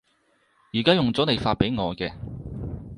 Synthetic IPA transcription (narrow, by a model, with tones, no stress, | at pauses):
jiː˨˩kaː˥jʊ˨ŋt͡sɔː˨˥ne˨jfaː˧t̚pe˨˥jŋɔː˨˧kɛː˧